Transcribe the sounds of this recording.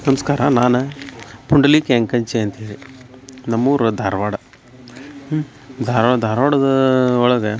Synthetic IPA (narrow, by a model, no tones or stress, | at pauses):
nɐmɐskaːɾɐnaːnɐpuɳɖɐliːkeŋkɐɲt͡ʃeɐnt̪iːɾinɐmːuːɾud̪ʱaːɾʋaːɽɐ | d̪ʱaːɾʋad̪ʱaːɾʋaːɽɐd̪ɐɔɭɐɡɐ